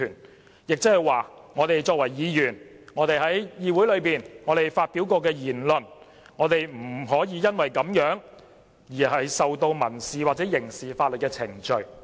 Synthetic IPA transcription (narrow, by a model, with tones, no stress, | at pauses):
yː˨˩n | jɪ˨k̚t͡sɪ˥hɐ˨jwaː˨ŋɔː˨˧t̪e˨jt͡ʃɔː˧k̚wɐ˨˩jːiː˨˧jyː˨˩n | ŋɔː˨˧t̪e˨jhɐ˨˥jjiː˨˧wuː˨˥jlɵ˨˧ɥpiː˨nŋɔː˨˧t̪e˨jfaː˧t̚pi˨˥wkɔː˧k̬ɛː˧jiː˨˩nlɵ˨n | ŋɔː˨˧t̪e˨jm̩˨˩ɦɔː˨˥jiː˨˧jɐ˥nwɐ˨jkɐ˨˥mjœː˨˥ŋ | jiː˨˩ɦɐ˨jsɐ˨wt̪o˧wmɐ˨˩nsiː˨waː˨t̚t͡sɛː˨˥jɪ˨˩ŋsiː˨faː˧t̚lɵ˨t̚kɛː˧t͡sʰɪ̰˨˩ŋt͡ʃɵ˨ɥ